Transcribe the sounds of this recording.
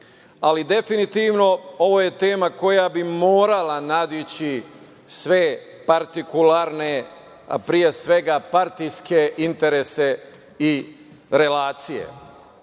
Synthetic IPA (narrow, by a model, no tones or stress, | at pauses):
alid̪e̞finit̪iʋno̞o̞ʋo̞je̞t̪e̞ːmako̞jabimoːɾalanad̪it͡ɕi | sʋe | paɾt̪ikulaɾne | a̰pɾije̞sʋe̞ɡapaɾt̪ijske̞ʔint̪e̞ɾese | i | ɾe̞laːt̪sije̞̰